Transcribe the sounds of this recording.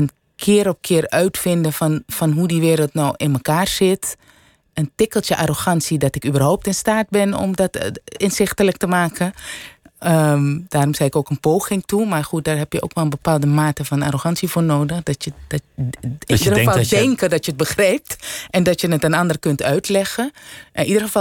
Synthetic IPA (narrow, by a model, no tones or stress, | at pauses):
ən | kʰɪːəɾɔp̚kʰɪərœɥtfɪndəfɔnfɔnɦudiʋɪːɾəlˠtnɔwʔɪnməkaːrz̥ɪt | əntɪkəlˠtjəʔaroxɑnsidɔtɪkybərɦowp̚tɪnstaːd̚bɪnɔ̰mdɔtɪnsɪxtələk̚təmaːkʰə | əd̥aːrɔmsɛjɪkoːkənpoːχɪŋtumarχut̚daːrɦɛpjəʔo̰ːkʋɛlˠənbəpaːlˠdəmaːtəfɔna̰roxɑnsifoːrnoːdəxdɔtjə̥ | idəɑlˠdɛŋkədɔtjəət̚bəxrɛjp̚tʔɛndɔtjənətənɑndərkøntœɥtʰlɛɣəʔɪnʔidərɣəf